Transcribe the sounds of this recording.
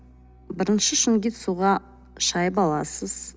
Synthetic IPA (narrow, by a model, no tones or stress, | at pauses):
bɪɾɪnʃɪʃʏŋɡʲit̪suʁɑ | ʃɑjəpɑlˠɑsəz̥